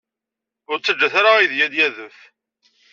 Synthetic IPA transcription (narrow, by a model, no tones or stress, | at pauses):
ʊɾt͡sːəd͡ʒːæθaɾaiðjæd̪jæðəf